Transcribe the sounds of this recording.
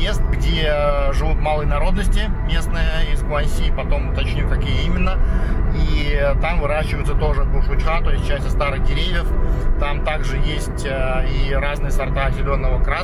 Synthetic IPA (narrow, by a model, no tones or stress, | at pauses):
jest̪ɡdʲeʐɨvut̪malˠəjnɐɾo̞d̪nəsʲtʲɪmʲe̞snəjəisklˠasʲːiːpɐt̪o̞mʊt̪ɐt͡ɕnʲukɐkʲijəimʲɪnːəit̪amvɨɾaɕːɪvəjt̪sət̪o̞ʐɨkʊʂʊt͡ɕxat̪o̞ɪs̚ʲt͡ɕːæsʲtʲjəst̪aɾɨɣdʲɪɾʲevʲjɪft̪amt̪aɡʐɨjesʲtʲ | iɾaznɨjəsɐrt̪aɐsʲɪlʲo̞nːəvəkɾa